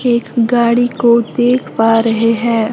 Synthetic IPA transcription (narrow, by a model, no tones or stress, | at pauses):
eːkɡaːɽikod̪eːkʰpaːɾɐɦeɦɛ̃ː